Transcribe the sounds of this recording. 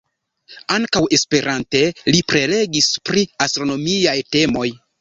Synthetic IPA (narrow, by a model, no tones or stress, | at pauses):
aŋkawe̞spe̞ɾante̞lipɾe̞le̞ɡispɾiastɾo̞no̞miajte̞mo̞j